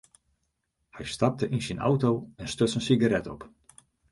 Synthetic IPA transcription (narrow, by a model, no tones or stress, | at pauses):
hɛjstɑp̚təʔinsinʔa̰wtowɛnstøsənsiɡaɾɛtɔp